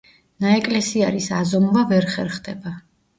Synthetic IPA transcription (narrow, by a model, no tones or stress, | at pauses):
naɛkʼlɛsiaɾisazɔmvavɛɾχɛɾχd̪ɛba